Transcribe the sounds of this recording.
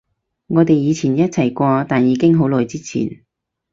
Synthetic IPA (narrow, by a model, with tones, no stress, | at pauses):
ŋɔː˨˧t̪e˨jːiː˨˧t͡sʰiː˨˩njɐ˥t̚t͡sʰɐ˨˩jkʷɔː˧t̪aː˨njiː˨˧kɪ˥ŋɦo˨˥wlɔː˨˩jt͡siː˥t͡sʰḭː˨˩n